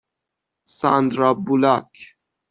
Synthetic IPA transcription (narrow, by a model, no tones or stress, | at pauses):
sand̪ɾɑbulak